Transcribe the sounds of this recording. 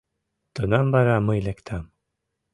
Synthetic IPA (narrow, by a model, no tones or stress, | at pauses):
t̪ɯnambaɾamɯjlʲɛkt̪ʰam